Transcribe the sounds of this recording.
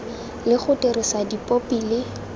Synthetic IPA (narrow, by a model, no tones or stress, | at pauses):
lɪχʊterɪsadipʼopilɪ